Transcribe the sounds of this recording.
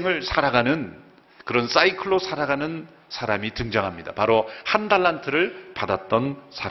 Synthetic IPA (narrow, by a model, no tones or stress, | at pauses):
ŋɯɭsʰaɾaɡanɯn | kɯɾʌns͈aikʰɯɭosʰaɾaɡanɯn | sʰaɾamitɯŋd͡ʑaŋɦamɲida̰paɾohandaɭːantʰɯɾɯɭpadat̚t͈ʌnsʰa